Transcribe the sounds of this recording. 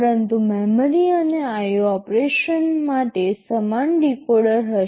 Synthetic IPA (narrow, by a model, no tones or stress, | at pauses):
əɾənt̪umeməɾiəneajoɔpɾeʃənmaʈesəmanɖikoɽəɾɦə